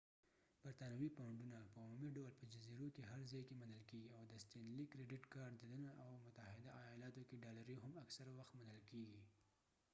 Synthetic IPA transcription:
b̥aɾt̪ɑnawipaɳɖunapəumumiɖawəlpəd͡ʒaziɾokeɦaɾzɑjkemanəlkeɡiawd̪əst̪enlikɾeɖɪʈkɑɾɖd̪ələnaʔawmʊt̪ahɪd̪aʔajɑlɑt̪okeɖɑlaɾiɦamaksaɾawaxt̪manəlkeɡi

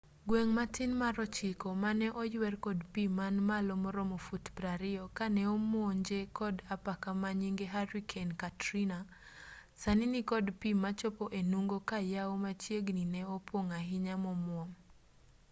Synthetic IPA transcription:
ɡweŋmatɪnmaɾɔt͡ʃɪkɔmanɛʔɔjwɛrkɔdpimanmalomɔɾɔmofutpɾaɾɪɔkanɛɔmwɔɲd͡ʒekɔdapakamaɲiŋɡeɦaɾikʰenkatɾina | sanɪnikɔdpimat͡ʃɔpoʔenuŋɡokajaomat͡ʃjeɡninɛɔpwoŋaɦɪɲamɔmwɔŋ

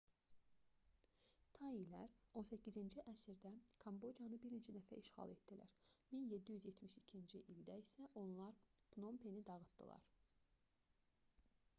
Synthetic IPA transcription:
t̪ʰɑilæɾo̞nsæcʰːizind͡ʒiʔæsiɾd̪ækʰɑmbo̞d͡ʒijɑnɯbiɾind͡ʒid̪æfæ̰ʔiʃχɑ̰lˠe̞t̪̚d̪ilæ̰ɾminje̞d̪ːijyzje̞t̪ʰmiʃi̥cʰind͡ʒiʔild̪æisæʔo̞nlˠɑɾpno̞mpʰenid̪ɑɣɯt̪d̪ɯ̰lˠɑ̰ɾ

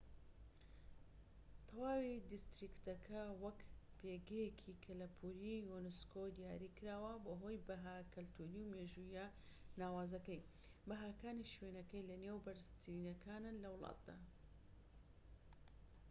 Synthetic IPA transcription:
t̪ʰɐwaːwid̪ist̪ɾikt̪ɐkʰɐwɐkpʰeːɡɐjekʰikʰɐlɐpʰuɾijuneskod̪ijaːɾiːkɨɾaːwɐboɦoːjbɐɦaːkɨlt̪ʰuːɾiwmeʒuja | naːwaːzɐkɐj | bɐɦaːkaːniʃwenɐkɐjlɐnewbɐɾɨst̪ɾinɐkʰaːnɨnlɐwlˠɑ̰ːt̪̚d̪a̰ː

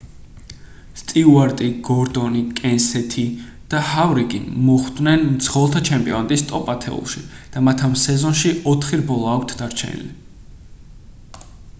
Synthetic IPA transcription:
st̪ʼiuaɾt̪ʼiɡɔɾd̪ɔnikʼɛnsɛt̪ʰi | d̪̥ahavɾiɡḭnmɔχd̪nɛnmt̪sʰχɔlˠt̪ʰat͡ʃʰɛmpʼiɔnat̪ʼist̪ʼɔpʼat̪ʰɛ̰ṵlˠʃid̪̥amat̪ʰamsɛzɔnʃiɔt̪ʰχiɾbɔlˠaːkʷʰt̪ʰd̪aɾt͡ʃʰɛ̰nḭlḭ

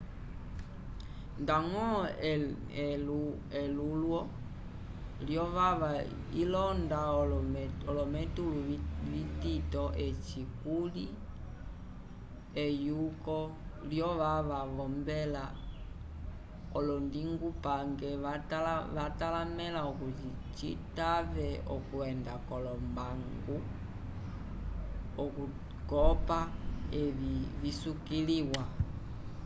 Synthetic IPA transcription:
ndaŋɔ | ɛlulwɔ | ljɔʋaa | ilɔnda | ɔlɔmɛtuluvititɔʔɛt͡ʃikuli | ɛjukɔljɔʋaʋaʋɔmbɛla | ɔlɔndiŋɡupaŋɡɛataʋatalamɛlaɔkutit͡ʃḭtavɛɔkuɛndakɔlɔmbaŋɡu | ɔku | kɔpaɛvivisukiliwa

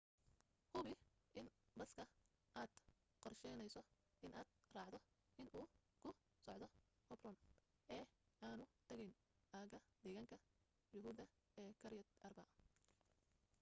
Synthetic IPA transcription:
hʊβɪʔɪnbɐskʰɐʔaːd̪̥ | qɔrʃɛjnɛjsɔ | ɪnʔaːd̪̥̚raːʕd̪ɔɪnʔuːkʰʊ | sɔʕd̪ɔhɔbrɔnʔɛːaːnʊt̪ʰɐɣɛjn | ʔaːɣɐd̪̥ɛːɣaːŋkʰɐ | jʊɦuːðɐ | ɛːkʰɐɾɪjɐd̪ʔɐrbɐ

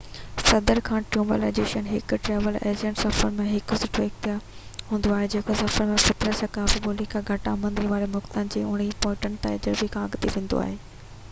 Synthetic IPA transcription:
sɐd̪əɾkʰãːʈɾjũːməlḛd͡ʑeːʃənɦɪkʊ̆ʈɾeːʋəlḛːd͡ʑə̃ɳʈsɐfəɾmẽɦɪkʊsɪʈʰoɪkt̪ɪjaɦũːn̆d̪oaːɦed͡ʑeːkʰosɐfəɾmẽfɪt̪ɾəʃɐkaːfiboːlikʰãɡʱɐʈamɐ̃nd̪iʋaːɾemʊxt̪ənɪ̆d͡ʑeːʊɽ̤̃ipoːɪ̃ʈənɪ̆t̪aːɪd͡ʑəɾbikʰãɐɡt̪iʋẽːnd̪o̰a̰ːɦeː

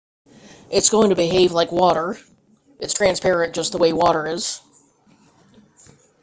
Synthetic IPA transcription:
ʔɨtsɡ̥oʊɪ̃ŋtʰɨbɨɦeɪvlaɪkwɔɾə˞ | ʔɨtstʰɹ̥æ̃nspʰɛɹɨ̃nd̥ʒ̥ʌst̪̚ðəweɪwɔɾə˞ɪz̥

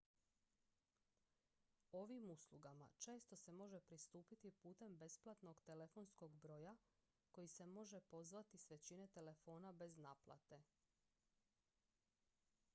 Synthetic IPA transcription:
o̞ʋimuslˠuɡama̰t͡ʃe̞ːst̪o̞se̞mo̞ʒe̞pɾist̪uːpit̪ipuːt̪e̞mbe̞splˠat̪no̞ɡt̪e̞lefo̞nsko̞ɡbɾo̞ːja | ko̞jise̞mo̞ʒe̞po̞zʋat̪isʋe̞t͡ɕine̞t̪e̞le̞fo̞ːnabe̞znaːplˠa̰t̪e̞

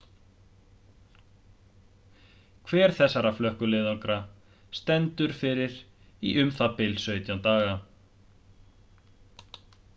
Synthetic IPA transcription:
kʰvɛːɾ̥θɛsːaɾaflœhkʏlɪːðaŋkɾa | st̪ɛnt̪ʏɾ̥fɪɾɪɾ̥ | ḭʔʏmθapɪlsœːɥt̪jant̪aːɣa

